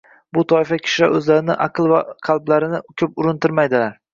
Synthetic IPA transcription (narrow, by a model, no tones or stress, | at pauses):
bʊt̪ʰɒɪfakʲʰɪ̥ʃlaɾʔɵzlaɾɪnɪʔaqɨlˠvaqʰɑlˠblaɾɪnɪkʲʰɵpʊɾɪnt̪ɪɾmajd̪ɪlaɾ